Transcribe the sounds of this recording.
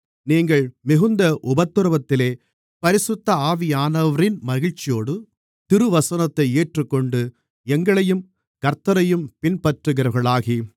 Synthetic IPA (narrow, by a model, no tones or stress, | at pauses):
niːŋɡɐɭmɪɣɯnd̪ɐʔʊbɐt̪ːɯɾɐʋɐt̪ːɪleː | pɐɾɪsʊt̪ːɐaːʋɪjaːnɐʋɐɾɪnmɐɣɪɻt͡ʃɪjoːɽɯ | t̪ɪɾɯʋɐsɐnɐt̪ːɐɪeːʈrɯkːɔɳɖɯ | ɛŋɡɐɭɐjɯm | kɐɾt̪ːɐɾɐjɯmpɪnpɐʈrɯɣɪɾɐɾɣɐɭaːɣi